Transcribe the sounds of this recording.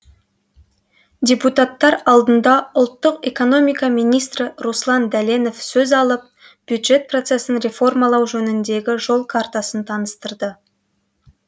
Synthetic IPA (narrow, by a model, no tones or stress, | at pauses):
d̪ʲeput̪at̪ːɑɾɑlˠd̪ənd̪ɑʊlˠt̪ːəqe̞ko̞no̞mijkɑmijnijst̪rɪruslˠɑnd̪æle̞no̞fsɵzɑlˠəp̚ | b̥jud̪ʒe̞t̪̚pro̞t̪se̞sɪnɾe̞fo̞rmalˠɑwʒɵnɪnd̪e̞ɡʲɪʒo̞lˠkʰaɾt̪asənt̪ʰɑnəst̪əɾd̪ə